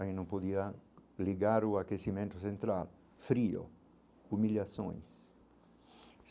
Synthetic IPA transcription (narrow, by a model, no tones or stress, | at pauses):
ainõmpod̪ialiɡaɾʊakesimẽnt̪ʊsẽnt̪ɾa̰l | fɾio̰ | umiljasõ̰j̃s